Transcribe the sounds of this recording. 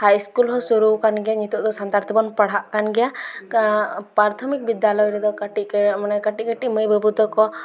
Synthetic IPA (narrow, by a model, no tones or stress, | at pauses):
hajskulɦɔsuɾubkanɡɛjaɲit̪uʔd̪ɔsant̪aɾt̪ʰɔbɔnpaɽ̤ɦaʔkanɡɛja | pɾaɾt̪ʰɔmik̚bid̪jalɔjɾɛd̪ɔkaʈimanɛkaʈiʔɡəʈiʔməjbəbud̪ɔkɔ